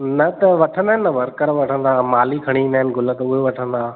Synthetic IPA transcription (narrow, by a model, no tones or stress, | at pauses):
nɐt̪ɐʋɐʈʰə̃nd̪aːɦɪnːɐʋɐɾkəɾʋɐʈʰə̃nd̪aːmaːlikʰɐɽ̃iĩːnd̪aɦɪnɪ̆ɡʱʊlə̃t̪ɐʊɦeʋɐʈʰə̃nd̪aː